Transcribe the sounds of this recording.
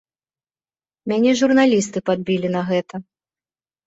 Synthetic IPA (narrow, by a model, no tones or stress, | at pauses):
mʲanʲɛʐurnalʲist̪ɨpad̪̚bʲilʲinɐɣɛt̪ɐ